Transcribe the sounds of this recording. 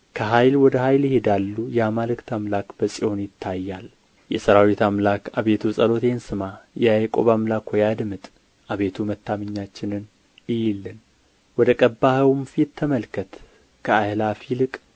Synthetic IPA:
kʰəɦajlwɔd̪əɦajljɪhed̪alːujɛamalɨkt̪ʰamlakb̥əsʼiʔo̞njɪt̪ʰːajːal | jɛsəɾawit̪ʰamlakaβe̞t̪ʰusʼəlo̞t̪ʰensɨmajajkʼo̞̰βamlakʰwojad̪mɨt̪ʼ | ʔaβe̞t̪ʰumət̪ʰːaməɲːat͡ʃːɪnɨn | ɪjilːɨn | wɔd̪əkʼəbːahəwɨmfit̪ʰːəməlkʰət̪ | kʰəajlafilɨkʼ

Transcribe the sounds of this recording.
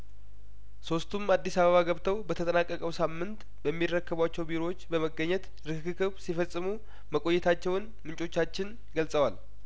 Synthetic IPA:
so̞st̪ʰumad̪ːisaβəβaɡəβt̪ʰəwbət̪ʰət̪ʼənakʼːəkʼəwsamːɨnt̪ | bəmːirːəkːəβwat͡ʃːɛwbiɾo̞wot͡ʃːbəməɡəɲːɛt̪ | ɾɨkɨkɨkɨβsifəsʼːɨmu | məkʼo̞jːɛt̪ʰat͡ʃːɛwn | mɨnt͡ʃʼo̞t͡ʃːat͡ʃːɪn | ɡəlsʼəwal

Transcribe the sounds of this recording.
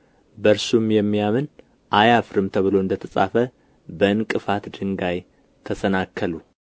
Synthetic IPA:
bəɾsumjɛmːijamɨn | ʔajafɾɨmt̪ʰəβɨlo̞ɨnd̪ət̪ʰəsʼa̰fə | bəɨnkʼɨfat̪d̪ɨŋɡaj | t̪ʰəsənakʰːəlu

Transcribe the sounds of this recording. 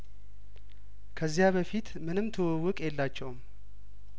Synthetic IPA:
kʰəzːijaβəfit̪mɨnɨmt̪ʰəwəwːʊkʼjɛlːat͡ʃːɛwm

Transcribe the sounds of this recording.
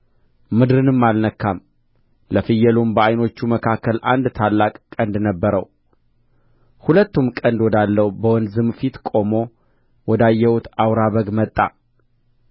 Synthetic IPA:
mɨd̪ɾɨnɨmːalnəkʰːam | ləfɨjɛlumbəajno̞t͡ʃːuməkʰakʰːəlʔa̰nd̪t̪ʰalːakʼkʼənd̪nəbːəɾəw | hulət̪ːumkʼənd̪wɔd̪alːəwbəwɔnzɨmfit̪kʼo̞mo̞ | wɔd̪ajːɛwut̪awɾaβəɡmət̪ʼːa̰

